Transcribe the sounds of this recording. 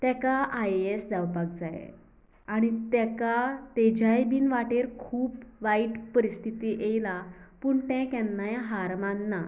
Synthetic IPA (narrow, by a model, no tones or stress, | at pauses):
t̪ɛkaʔajesd͡zawpak̚d͡zaj̰ | aɽ̃it̪ɛkat̪ed͡ʑajbiːnʋaʈeɾkʰuːpʋaiʈpəɾist̪ʰit̪iːʔejlapuːɳt̪ɛ̃kɛ̃nːajaɦaɾmanːa